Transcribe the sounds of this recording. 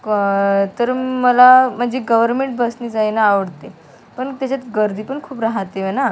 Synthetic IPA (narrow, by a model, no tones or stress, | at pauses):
t̪əɾməlam̤əɳd͡zeɡəʋəɾmeɳʈ̚bəsnid͡zajnaːʋəɽt̪e | pəɳt̪jat͡ɕat͡sɡəɾd̪ʱiːpəɳkʰuːpɾaɦt̪eəna